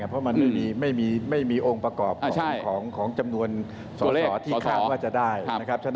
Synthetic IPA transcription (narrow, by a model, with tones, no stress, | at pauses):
a˩pʰɾɔ˦˥ma˧nma˥˩miː˧ma˥˩jmiː˧ma˥˩jmiː˧ʔo˧ŋpɾa˧kɔː˨˩p̚kʰɔt͡ɕʰa˩˥˩kʰɔː˩˦ŋkʰɔː˩˦ŋt͡ɕa˧mnu˧ən | sɔː˨˦˧sɔː˩˦t̪̚ʰiː˥˨˦kʰaː˥˩˨waː˥˩t͡ɕa˨˩daː˥˩jn˩a˦˥kʰɾa˦˥p̚t͡ɕʰa˥˩